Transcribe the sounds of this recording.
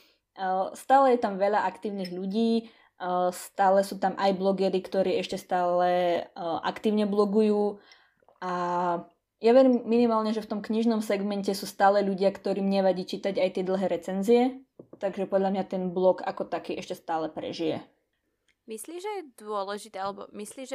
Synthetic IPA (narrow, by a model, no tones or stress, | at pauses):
st̪aːlɛjɛt̪amʋɛʎaʔakt̪iːʊniɣʎuɟiː | st̪aːlɛsuːt̪amʔajblɔɡɛɾikt̪ɔɾiːɛʃcɛst̪aːlɛʔa̰kt̪iːʊɲɛblɔɡujuː | a | jaʋɛɾiːmːinimaːlɲɛʒɛft̪ɔmkɲiʒnɔmsɛɡmɛncɛsuːst̪aːlɛʎuɟɪakt̪ɔɾiːmɲɛʋaɟiːt͡ʃiːt̪aɟajt̪ɪɛd̪l̩ˠɦɛːɾɛt͡sɛnziɛ | t̪aɡʒɛpɔd̪ʎamɲat̪ɛnblɔɡa̰kɔt̪akiːʔɛʃcɛst̪aːlɛpɾɛ̰ʒijɛ̰ | misliːʒɛjɛd̪ʊɔlɛʒit̪ɛalɛbɔ̰misliːʒ